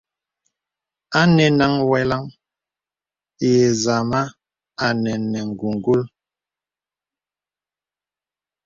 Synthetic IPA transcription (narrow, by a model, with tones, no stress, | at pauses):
a˦nɛ˨na˦ŋwɛ˨la˦ŋ | jɛ˨za˨ma˦ | a˨nɛ˨nːɛ˨ŋ̩˨ɡu˨ŋ˨ɡu˦l